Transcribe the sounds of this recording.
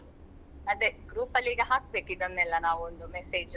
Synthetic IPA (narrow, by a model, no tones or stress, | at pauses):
ɐd̪eɡɾuːpɐliɡeɦaːk̚beːkid̪ɐnːɛlːɐnaːʋuond̪umeseːd͡ʒ